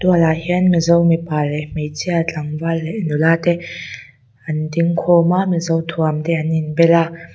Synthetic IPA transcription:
t̪ualahiənmizɔwmipalːɛmejt͡sʰiat͡ɬʼaŋvalːɛʔnulaːt̪ɛ | ɐnd̪iŋkʰɔmamizɔwt̪ʰuamd̪ɛaninbɛla

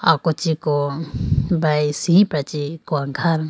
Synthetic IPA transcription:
akɔt͡ʃikɔ | bajsiɦĩpɾat͡ʃikɔaŋkʰaɾ

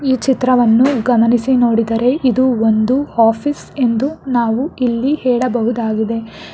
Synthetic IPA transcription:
iːt͡ʃit̪ɾɐʋɐnːuɡɐmɐnisino̞ːɽid̪ɐɾe̞ʔid̪uond̪uaːpʰis | e̞nd̪unaːʋuilːihɛːɭɐbɐɦud̪aːɡid̪e̞

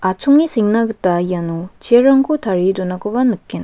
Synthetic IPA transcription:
at͡ʃʰuŋisiŋnaɡɯtajanut͡ʃeɾaŋkutʰaɾidɔnakɔbanɯkːen

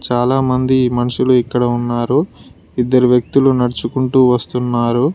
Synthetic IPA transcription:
t͡ʃaːlaːmɐnd̪imɐnɐʂuluikːɐɽɐunːaːɾu | id̪ːɐɾiʋjɐk̚t̪ulunɐɽɐt͡ʃukuɳʈuːʋɐst̪unːaːɾu

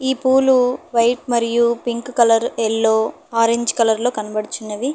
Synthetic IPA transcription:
iːpuːluʋɐjʈ̚mɐɾijupiŋkkɐlɐɾɛlːo̞ː | aːɾeɲd͡ʒkɐlɐɾlo̞ːkɐnɐbɐɽit͡ʃunːɐd̪i

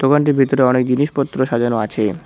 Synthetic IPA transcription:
d̪̥okaɳʈ̬iɾbʱit̪oɾeɔnek̚d͡ʑiniʃpɔt̪ːɾoʃad͡ʑanoat͡ɕʰe

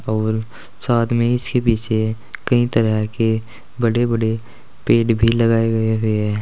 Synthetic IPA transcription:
ɔːɾ | saːd̪mẽɪskepiːt͡ʃʰe | kɐɦĩt̪əɾəɦke | bɐɽebɐɽe | peːʈbʱilɐɡaːeɡɐeɦʊeɦɛː

